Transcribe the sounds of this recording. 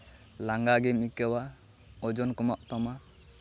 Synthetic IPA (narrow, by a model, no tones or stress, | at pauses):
laŋɡaɡɛmikəwa | ɔd͡ʒɔnkɔmaʔt̪ɔma